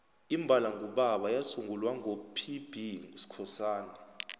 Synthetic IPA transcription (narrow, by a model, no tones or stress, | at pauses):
imbʱalaŋuɓaɓajasuŋɡulwaŋʱopʰib̥ʱisi̥kʰɔsaːnɛ